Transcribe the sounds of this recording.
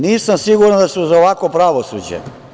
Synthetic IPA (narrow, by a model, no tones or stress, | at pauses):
niːsamsiɡuɾnad̪asuzaoʋakopɾaʋosṵd͡ʑḛ